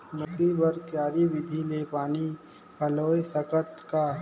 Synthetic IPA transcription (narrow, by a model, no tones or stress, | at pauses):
mʊt̪ibəɾkjaːɾiʋɪd̪ʱilepaːni | pʰɐloːjsəkət̪ka